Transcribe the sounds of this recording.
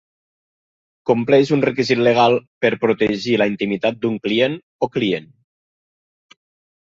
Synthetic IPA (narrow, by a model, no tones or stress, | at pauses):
kumplɛʒunrekizit̪leɣ̞alˠpəɾpɾut̪eʒiləint̪imit̪at̪̚d̪uŋklien | oklien